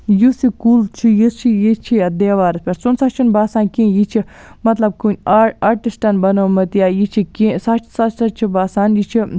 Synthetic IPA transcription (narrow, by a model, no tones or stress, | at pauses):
jusikuːlt͡ʃʰijist͡ʃʰijit͡ʃʰijad̪eːʋaːɾɐspʰʲeɾt͡sunsɐt͡ʃʰinbaːsaːnkĩːjit͡ʃʰi | mɐt̪lɐb̚kunʲaːʈisʈɐnbɐnoːmɐt̪jaːjit͡ʃʰikĩːsɐt͡ʃʰsɐsɐt͡ʃʰibaːsaːnjit͡ʃʰi